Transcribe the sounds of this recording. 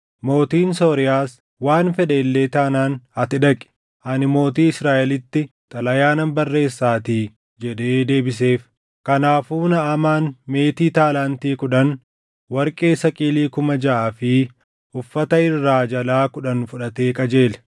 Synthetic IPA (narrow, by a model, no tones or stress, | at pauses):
mo̞ːt̪iːnso̞ːɾɪjaːs | waːnfɛᶑeːlːe̞ːt̪aːnaːnɐt̪ɪᶑɐkʼɪ̥ | hɐnɪmo̞ːt̪iːɪsɾaːʔɛlɪt̪ːɪt̪ʼɐlɐjaːnɐmbɐrːe̞ːsːaːt̪iː | d͡ʒɛᶑe̞ːd̪e̞ːbɪse̞ːf | kɐnaːfuːnɐɐmaːnme̞ːt̪iːt̪aːlaːnt̪iːkʊᶑɐn | wɐɾkʼeːsɐkʼiːliːkʊmɐd͡ʒɐʔaːfɪ | ʊfːɐt̪ɐɪrːaːd͡ʒɐlaːkʊᶑɐnfʊᶑɐt̪e̞ːkʼɐd͡ʒe̞ːlɛ̥